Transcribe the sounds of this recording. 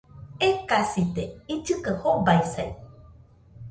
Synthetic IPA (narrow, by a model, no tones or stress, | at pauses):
ekasit̪eid͡ʒɨkəhobaisaj